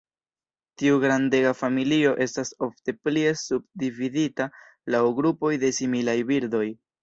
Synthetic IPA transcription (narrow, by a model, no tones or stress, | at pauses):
tiuɡɾande̞ɡafamilio̞ʔe̞staso̞fte̞plie̞sub̚dividita | lawɡɾupo̞jde̞similajbiɾdo̞j